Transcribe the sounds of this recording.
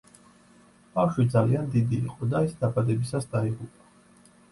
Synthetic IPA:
b̥afʃwid̪zaliand̪id̪ḭːqʼɔd̪aisd̪abad̪ɛbisasd̪aiʁupʼḁ

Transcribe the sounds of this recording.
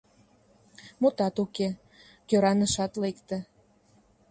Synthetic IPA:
mot̪ɑt̪uke | køɾɑnəʃɑt̪lekt̪ə̆

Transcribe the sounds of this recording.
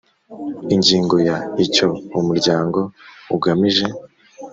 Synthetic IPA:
iɲɟiːŋɡo̞jaico̞umuɾɟaːŋɡo̞uɡamiʒe̞

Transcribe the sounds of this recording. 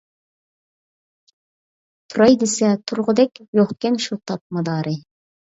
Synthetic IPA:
t̪ʰuɾɑjd̪esɛt̪ʰʊɾʁʊd̪ɛkʲjoχ̚kʲɛnʃut̪ʰɑp̚mɑd̪ɑːɾɨ

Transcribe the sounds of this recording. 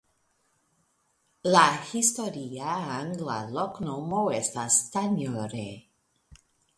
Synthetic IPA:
lahist̪oɾiaaŋɡla̰loknomoest̪ast̪aɲoɾḛ

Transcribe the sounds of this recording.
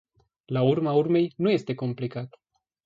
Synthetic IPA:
laurmaurme̞jnuje̞st̪e̞ko̞mplikat̪ə

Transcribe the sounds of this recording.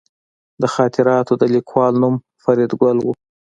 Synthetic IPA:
d̪əxɑːt̪ɪɾɑt̪od̪əlikʰwɑlnum | faɾid̪ɡʷalwu

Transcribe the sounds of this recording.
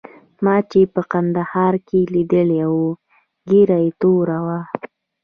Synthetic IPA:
mɑt͡ʃepəqand̪ahɑɾkelid̪əlewu | ɡiɾajet̪oɾawa

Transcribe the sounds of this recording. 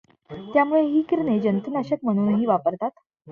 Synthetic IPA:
t̪jamuɭeɦiːkiɾned͡ʑənt̪ənaɕət̪m̤əɽ̃uːnɦiːʋapəɾt̪at̪

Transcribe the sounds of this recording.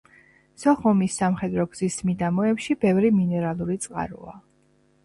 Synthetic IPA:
sɔχɔmisːamχɛd̪ɾɔɡz̥ismid̪amɔɛpʃibɛvɾiminɛɾalˠuɾit̪sʼqʼa̰ɾṵa

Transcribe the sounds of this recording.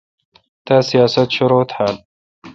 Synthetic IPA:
t̪aːsijaːsɐt̪ʃʊɾoːt̪ħaːn

